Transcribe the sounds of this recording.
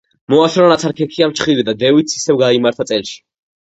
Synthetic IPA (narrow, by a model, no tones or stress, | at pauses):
mɔaʃɾɔnat̪sʰaɾkʰɛkʰiamt͡ʃʰχilid̪ad̪ɛvit̪si̥sɛvɡaimaɾt̪ʰat̪sʼɛlʃi̥